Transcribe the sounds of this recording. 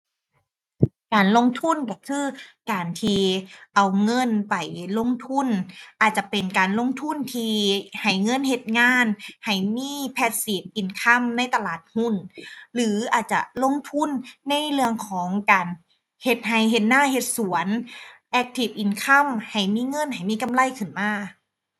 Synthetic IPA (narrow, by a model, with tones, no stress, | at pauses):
kaː˨˩nlo˧˥˨ŋt̪ʰu˧˥˨nka˧˩kʰɯː˧˥˨kaː˨˩nt̪ʰiː˧ʔa˨˩wŋɤ˧˥˨npa˨˩jlo˧˥˨ŋt̪ʰu˧˥˨nʔaː˨˩t̪̚t͡ɕa˧˩pe˨nkaː˨˩nlo˧˥˨ŋt̪ʰu˧˥˨nt̪ʰiː˧ha˨˩jŋɤ˧˥˨nhe˧t̪̚ŋaː˧˥˨nha˨˩jmiː˧˥˨pʰɛː˧t̪̚siː˨˦p̚ʔi˨˩nkʰa˧˥˨mna˧˥˨jt̪a˧laː˨˩t̪̚hu˧˥˨nlɯː˨˦ʔaː˨˩t̪̚t͡ɕa̰˧lo˧˥˨ŋt̪ʰu˧˥˨nːa˧˥˨jlɯ˧əŋkʰɔː˨˦ŋkaː˨n | he˧t̪̚ha˧˩jɦe˧˩t̪̚naː˧˥˨he˧t̪̚su˩˦ənʔɛː˧k̚t̪ʰi˧˩p̚ʔi˨˩nkʰa˧˥˨mha˨˩jmiː˧˥˨ŋɤ˧˥˨nha˨˩jmiː˧˥˨ka˧˥˨mla˧˥˩jkʰɯ˧˩nmaː˧˥˩